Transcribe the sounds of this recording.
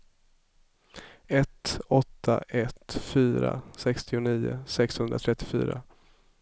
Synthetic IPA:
ɛt̪ɔt̪ʰːaʔɛt̪fyːɾa̰sɛkst̪ɪʊniːʊ̰sɛkshɵnd̪ɾat̪ʰɾɛt̪ːɪfy̰ːɾa̰

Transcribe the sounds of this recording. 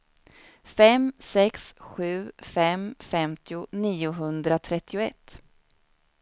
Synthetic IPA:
fɛmsɛksɧʉ̟ːfɛmfɛmt̪ʰɪʊniːʊɦɵnd̪ɾat̪ʰɾɛt̪ːɪʊɛt̪ː

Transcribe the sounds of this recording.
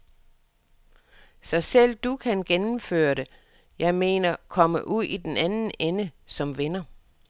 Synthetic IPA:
sɒ̽sel̰d̥ukʰænɡ̥enm̩fø̰ːɐɾe̝ | jɑ̈ɪme̝̰ːnɐkʰɒ̽məʔuð̰ˠid̥enænn̩enəsɒ̽mʋenɐ

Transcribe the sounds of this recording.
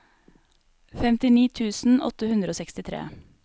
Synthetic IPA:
fɛmt̪ɪniːt̪ʰʉːsn̩ɔ̰t̪əhʉnd̪ɾəoːsɛkst̪ɪt̪ʰɾḛː

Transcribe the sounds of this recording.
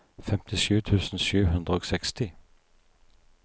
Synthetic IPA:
fɛmt̪ʰɪʃʉːt̪ʰʉːsn̩ʃʉːɦɵnd̪ɾəoːɡsɛkst̪ɪ

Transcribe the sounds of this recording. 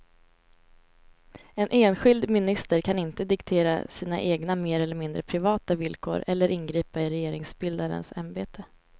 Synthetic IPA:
ɛnʔeːnɧɪld̪mɪnɪst̪əɾkʰanɪnt̪əd̪ɪkt̪ʰeːɾa̰siːna̰ʔeːɡnameːɾɛlːəɾmɪnd̪ɾəpʰɾɪvɑːt̪avɪlkʰo̰ːɾɛlːəɾʔɪnɡɾiːpaɪɾɛjeːɾɪŋsbɪld̪aɾə̰nsa̰mbeːt̪ʰə

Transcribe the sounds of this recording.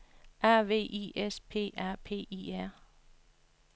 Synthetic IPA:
ʔæɐ̰ʋe̝̰ːʔiʔespʰe̝̰ːʔæɐ̰pʰe̝̰ːiːæɐ̰

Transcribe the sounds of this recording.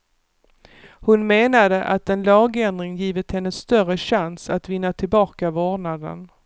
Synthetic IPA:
hʊnmeːnad̪əʔat̪ɛnlɑːɡɛnd̪ɾɪŋjiːvɪt̪hɛnːəst̪œɾəɕansat̪vɪnːat̪ʰɪlbɑːkavoːnad̪ə̰n

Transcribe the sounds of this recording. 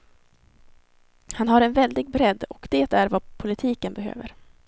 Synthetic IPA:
hanɦaɾɛnvɛld̪ɪɡ̚bɾɛd̪ːɔkd̪̥ɛːt̪æɾvapʰʊlɪt̪ʰiːkənbɛɦø̰ːvə̰ɾ

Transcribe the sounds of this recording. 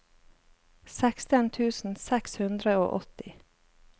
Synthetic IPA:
sɛkst̪ənt̪ʰʉːsn̩sɛkshʉnd̪ɾəo̰ːʔɔt̪ɪ

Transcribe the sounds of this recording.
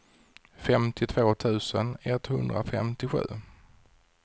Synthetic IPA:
fɛmt̪ɪt̪ʰvoːt̪ʰʉ̟ːsənɛt̪ːhɵnd̪ɾafɛ̰mt̪ɪɧʉ̟̰ː

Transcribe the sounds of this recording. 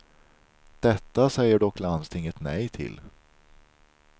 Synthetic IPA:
d̪̥ɛt̪ːasɛjːəɖɔkːlanst̪ʰɪŋːət̪nɛjt̪ʰɪ̰l

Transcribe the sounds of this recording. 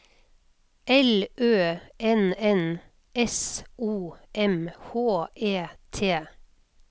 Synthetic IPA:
ʔɛlʔøːʔɛnɛn | ʔɛsʔuːʔɛmhoːʔeːt̪ʰeː

